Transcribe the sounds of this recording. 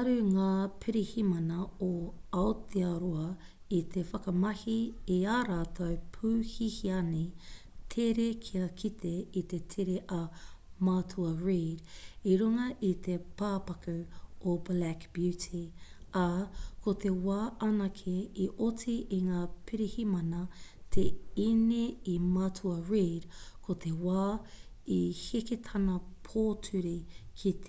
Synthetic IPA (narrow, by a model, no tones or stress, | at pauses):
ɐɾʉŋaːpʰiɾihimɐnɐoɐot̪ʰeɐɾoɐ | it̪ʰefɐkɐmɐhiiaːɾaːt̪ʰowpʰuːhihiɐni | t̪ʰeɾekʰiɐkʰit̪ʰeit̪e̞tʰeɾeʔɐmaːtʰuɐɹiːɾiɾuŋɐʔit̪ʰepaːpɐkʉoblækb̥jʉtʰiakot̪ʰewaːʔɐnɐkʰeiʔotiʔiŋaːpʰiɾihimɐnɐt̪ʰeineimɐtʰuɐɹiɾkʰot̪ʰewaː | iheket̪ʰɐnɐpʰoːtʰʉɾikʰit̪ʰ